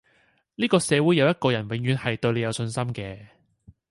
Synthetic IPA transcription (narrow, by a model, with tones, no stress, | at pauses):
niː˥kɔː˧sɛː˨˧wu˨˥jɐ˨˧wjɐ˥t̚kɔː˧jɐ˨˩nwɪ˨ŋjyː˨˧nhɐ˨jt̪ɵ˧ɥle˨˧jɐ˨˧wsɵ˧nsɐ˥mkɛː˧